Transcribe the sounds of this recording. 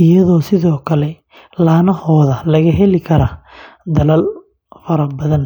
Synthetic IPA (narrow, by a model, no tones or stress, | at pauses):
ɪjɐðɔːsɪðɔːkʰɐlɛ | laːnɐhɔːðɐlɐɣɐɦɛlɪkʰɐɾɐd̪ɐlɐl | fɐɾɐbɐðɐn